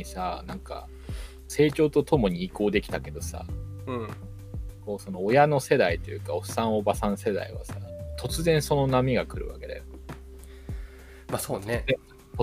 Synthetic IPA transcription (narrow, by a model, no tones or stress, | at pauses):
isanãŋka̰ | se̞ːt͡ɕo̞ːt̪o̞t̪o̞mo̞ɲ̟iːko̞ːd̪e̞kʲi̥t̪ake̞d̪o̞sa̰ɯ̃ | ko̞ːso̞no̞ːjano̞se̞d̪ait̪ojɯ̟ːkaoɸ̟sãɰ̃o̞basãɰ̃se̞d̪a̰ḭβa̰sat̪ʰo̞t͡sɨzẽ̞ɰ̃so̞no̞namʲiɡakɯ̟ɾɯ̟βa̰ke̞d̪a̰jo | masoːne